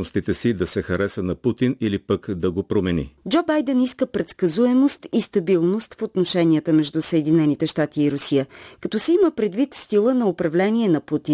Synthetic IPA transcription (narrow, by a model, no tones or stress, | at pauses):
ost̪it̪ɛsid̪ɐsɛxɐɾɛsənɐput̪inilipəkd̪ɐɡopɾomɛnḭd͡ʒɔbajd̪ɛniskəpɾɛt̪skɐzuɛmost̪ist̪ɐbilˠnost̪fot̪noʃɛnijət̪əmɛʒd̪usəɛd̪inɛnit̪ɛʃt̪at̪iːɾʊsijəkɐt̪ɔsɛiməpɾɛd̪vit̪st̪ilˠənɐopɾɐvlɛniɛnɐput̪i